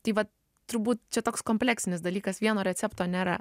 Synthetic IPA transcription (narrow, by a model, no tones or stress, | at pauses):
t̪ɐɪʋɐt | t̪ʊɾbuːt̪t͡ʃʲɛt̪oːkskoːmʲpʲlʲæːksʲɪnʲɪsd̪ɐlʲiːkɐsʋʲiɛnoːɾʲɛt̪t͡s̪ʲæpt̪oːnʲeːɾɐ̰